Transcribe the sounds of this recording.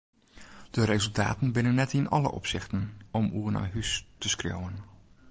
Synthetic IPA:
d̥əɾezɵlˠta̰ːtənbɪnənːɛtɪnɑ̰lə̰ʔɔ̰psɪχtənɔmuːrna̰jɦystəskro̰wən

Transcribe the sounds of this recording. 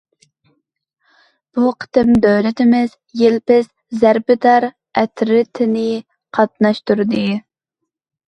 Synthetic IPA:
b̥uqʰə̥t̪ɪmd̪œwlɪt̪ɪmɪz | jelpɪz̥ | zæɾbɪd̪ɑɾ | ɛt̪ʰɾɪt̪ʰɪnɪ | qʰɑt̪nɑʃt̪uɾd̪ɨ

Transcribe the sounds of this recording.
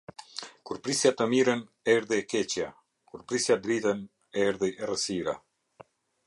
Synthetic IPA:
kuɾpɾisjat̪əmiɾən | ɛɾðɛɛkɛt͡ɕja | kuɾpɾisjad̪ɾit̪ən | ɛɾðɛɛrəsiɾa̰

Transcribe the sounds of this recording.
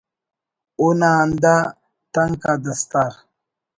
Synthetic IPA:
onanda | taŋkadast̪aɾ

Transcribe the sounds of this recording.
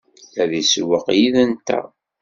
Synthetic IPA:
æðiswəqjiðənt̪æ̰

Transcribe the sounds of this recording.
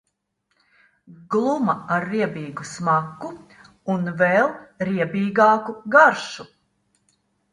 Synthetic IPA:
ɡlˠumɐaɾːiɛbʲiːɡusmakːu | unvɛlˠɾiɛbiːɡɑːkuɡaɾʃu

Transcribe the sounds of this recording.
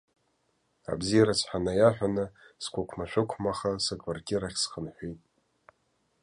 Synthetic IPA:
a̰bzijaɾat͡sʰħʷᶣanajaħʷᶣanɨskʷʰʼakʷʰmaʃʷᶣɪkʷʰmaχasakʼvartʼiɾaχʲsχənħʷijtʼ

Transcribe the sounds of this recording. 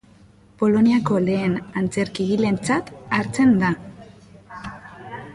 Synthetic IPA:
po̞lo̞niako̞le̞ːnant͡se̞ɾkiɣile̞nt͡sat̪aɾt͡se̞nd̪a

